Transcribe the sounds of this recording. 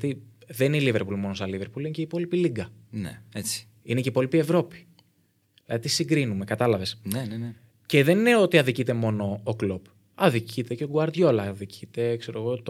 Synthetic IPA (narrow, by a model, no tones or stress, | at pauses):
t̪iðennilive̞ɾpulmo̞nosɐlive̞ɾpulineceipo̞lipiliɡɐnḛet͡si̥ | ineceipo̞lipie̞vɾo̞pi̥ | ilɐðit̪isiɡɾinume̞kɐt̪ɐlɐve̞snenene | ce̞ðe̞nineo̞t̪iɐðicit̪e̞mo̞no̞ːklop | ɐðicʰit̪eceoɡuɐɾðʝo̞lɐðicʰit̪e̞kse̞ɾo̞ɣo̞t̪o